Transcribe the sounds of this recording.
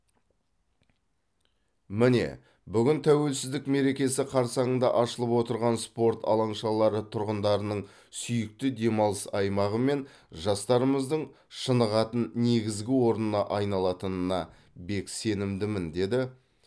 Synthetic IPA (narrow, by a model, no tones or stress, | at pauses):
mɪne̞̰ | bʏɡʲɪnt̪ʰæwe̞lsɪzd̪ɪkme̞ɾe̞kʲe̞sɪqʰɑɾsɑənd̪ɑʔɑʃəlˠəpwo̞t̪əɾʁɑnspo̞ɾt̪ʰɑ̰lˠɑɴʃɑlˠɑɾət̪ʰʊɾʁənd̪ɑɾənəɴ | sʏjɪk̚t̪ɪd̪e̞mɑlˠəsɑjmɑʁəme̞n | ʒɑst̪ɑɾəməzd̪əɴ | ʃənəʁɑt̪ənne̞ɡʲɪzɡʲɪwo̞ɾnənɑʔɑjnɑlˠɑt̪ənənɑ | be̞kse̞nɪmd̪ɪmɪnd̪e̞d̪ɪ